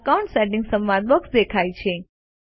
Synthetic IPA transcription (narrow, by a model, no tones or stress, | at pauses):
kaũɳʈsɛʈ̬ɪŋɡsəmbad̪̚bɔksd̪ekʰajt͡ʃʰe